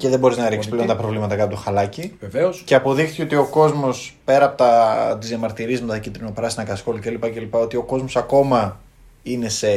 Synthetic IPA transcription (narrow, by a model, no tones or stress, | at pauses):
ceðe̞bo̞ɾiznɐɾiksplent̪ɐpɾo̞vlimɐt̪ɐkɐtot̪oxɐlɐciveveosceɐpo̞ðixθi̥ceo̞t̪io̞ko̞zmo̞spe̞ɾɐːpo̞t̪ɐt̪izjɐmɐɾt̪iɾizmet̪ɐcit̪ɾinopɾɐsinɐkɐsxo̞licelipɐcelipɐo̞t̪io̞ko̞zmo̞sɐko̞mɐ | ine̞se̞